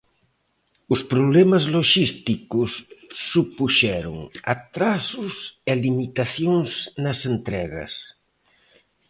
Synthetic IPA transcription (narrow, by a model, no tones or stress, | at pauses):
uspɾoβ̞lɛmazloʃist̪ikusːupuʃɛɾṵŋat̪ɾasuselimit̪aθjoŋznɐsent̪ɾɛɣɐ̰s